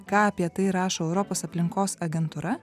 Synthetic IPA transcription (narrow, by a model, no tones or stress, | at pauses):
kɑːɐpʲiɛt̪ɐɪɾɑːʃoːɛʊɾɔpoːsɐpʲlʲɪŋkoːsɐɡʲɛnt̪uːɾɐ